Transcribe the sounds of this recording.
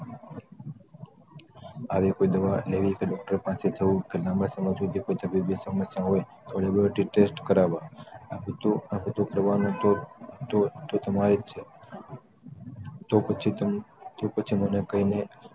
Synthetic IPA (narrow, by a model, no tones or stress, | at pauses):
aʋekoid̪əʋaleʋikeɖɔk̚ʈəɾepãset̪ʰəɦũkelãməsəməd͡ʒũt̪ekoit̪əbibisəməsjãɦoet̪oɭebɾəʈiʈesʈkəɾaʋaabət̪ːuabʱət̪ːokəɾʋanõt̪ot̪ot̪ot̪əmaɾet͡ʃʰe | t̪opət͡ʃʰit̪opət͡ʃʰimənekəɦine